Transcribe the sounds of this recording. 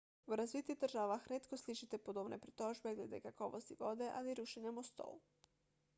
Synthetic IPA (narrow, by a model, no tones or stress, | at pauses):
uɾazʋit̪id̪r̩ʒaʋaxɾet̪kosliʃit̪e̞pod̪obnepɾit̪o̞ʒbeɡled̪ḛkakoʋo̰st̪iʋo̞d̪e̞ʔaliɾuʃeɲamost̪o̰ːu